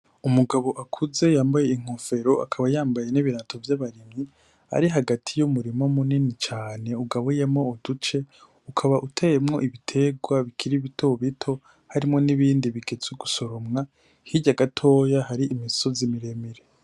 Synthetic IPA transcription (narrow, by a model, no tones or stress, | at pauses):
umuɡaβo̞ʔakʰuze̞jaːmbaje̞iŋ̥ofe̞ɾo̞ʔa̰kʰaβajaːmbaje̞niβiɾatʰo̞vjaβaɾimŋi | a̰ɾiɦaɡatʰijumuɾimomuninit͡ʃaːne̞uɡaβojemŋo̞ːd̥ut͡ʃe̞ | ukʰaβaʔutʰejemŋo̞ʔiβitʰe̞ɡwaβikʰiɾiβitʰo̞βitʰo̞ | haɾimŋo̞niβiːndiβiɡe̞t͡suɡusoɾomŋa | hiɟaɡatʰo̞ːjahaɾiʔːmiso̞zimiɾe̞miɾe